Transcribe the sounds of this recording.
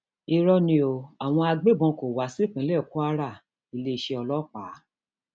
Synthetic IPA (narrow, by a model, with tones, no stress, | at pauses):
i˧ɾɔ˧nĩ˧o˨a˨w̃ɔ̃˧a˧ɡ͡be˦˨bɔ̃˧ko˨wa˨˦si˦˨k͡pĩ˨˦lɛ˦˨ku˦a˦ɾa˦˨ | i˨˧le˧i˧ʃe˧ɔ˧lɔ˦k͡paː˨˦